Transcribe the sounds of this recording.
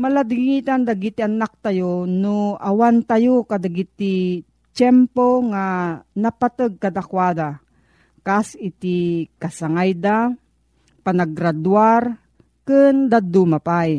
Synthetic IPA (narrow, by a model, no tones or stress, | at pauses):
mɐlad̪ɪŋit̪and̪aɡit̪ianak̚t̪ajonoawant̪ajokad̪aɡit̪i | t͡ʃɛmpoŋanɐpat̪əɡ̚kad̪akwad̪a | kasɪt̪ikasaŋajd̪a | panaɡɾad̪waɾ | kɨnd̪ad̪umapaj